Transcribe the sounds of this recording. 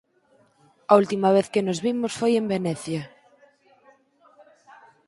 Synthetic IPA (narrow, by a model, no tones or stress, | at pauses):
ɐult̪imɐβ̞eθkenozβimosfojembenɛθjɐ